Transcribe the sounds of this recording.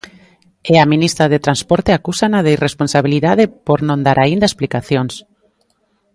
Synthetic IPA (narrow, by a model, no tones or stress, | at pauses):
eaminist̪ɾaðet̪ɾanspoɾt̪eakusanaðejresponsaβiliðaðepoɾnõnd̪aɾʔaind̪aesplikaθjoŋs